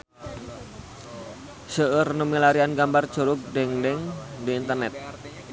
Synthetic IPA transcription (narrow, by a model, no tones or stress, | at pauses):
səʔərnəmilaɾianɡambard̥d͡ʒ̥o̤ɾʊk̚dɛŋdɛŋdiːnt̪ərnɛt̪̚